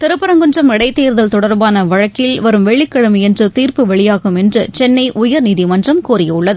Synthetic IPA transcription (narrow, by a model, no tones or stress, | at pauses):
t̪ɛɾɯpːɐɾɐŋɡɯnd͡ʒrɐmɪɽɐɪt̪ːeːɾðɐlt̪ɔɽɐɾbaːnɐʋɐɻɐkːɪlʋɐɾɯmʋɛɭːɪkːɐɽɯmiɛndrɯt̪iːɾpɯʋɐɭɪjaːɣɯmɛndrɯt͡ʃɛnːɐɪʔʊjɐɾniːðimɐndrɐmkuːɾɪjɐʊɭːɐðɯ